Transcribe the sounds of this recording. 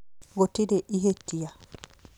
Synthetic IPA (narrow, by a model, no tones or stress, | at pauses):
ɡotːidɛʔihetːija